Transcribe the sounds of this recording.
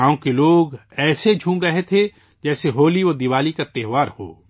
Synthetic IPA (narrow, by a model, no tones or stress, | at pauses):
ãːõkeloːɡɛːsed͡ʒʱũːmɾɐɦet̪ʰe | d͡ʒɛːseɦoːliɔːd̪iʋaːlikat̪eːɦʋaːɾho̰ː